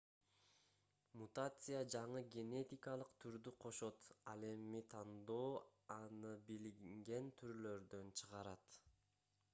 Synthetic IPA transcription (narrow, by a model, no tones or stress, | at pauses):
mut̪at̪sɨjad͡ʒɑɴɯɡʲe̞ne̞t̪ʲɪkɑlˠɯqt̪ʰyɾd̪yqʰo̞ʃo̞t̪ɑlˠe̞mit̪ʰɑnd̪o̞ːɑnɯbilŋɡe̞nt̪ʰyɾlø̞ɾd̪ø̞nt͡ʃʰɯʁɑɾɑt̪